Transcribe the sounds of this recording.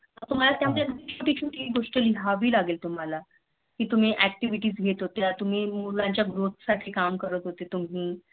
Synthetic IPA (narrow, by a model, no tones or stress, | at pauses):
ət̪um̤alat̪jaməd̪ekd̪it͡ɕʰut̪it͡ɕʰũːt̪iiɡoʂʈəliɦaʋiːlaɡelt̪um̤ala | kiːt̪um̤iːʔæk̚ʈiʋiʈiːd͡zɡʱet̪ɦot̪eat̪um̤iːmulãɲt͡ɕjaɡɾot̪̚ʰsaʈʰiːkamkəɾət̪ɦot̪et̪um̤iː